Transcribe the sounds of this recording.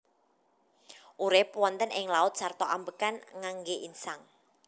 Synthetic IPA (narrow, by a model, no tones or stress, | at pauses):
ʔuɾepwɔnt̪ənɪŋlaʊt̪̚sart̪ɔʔambəkanŋaŋɡeʔinsaŋ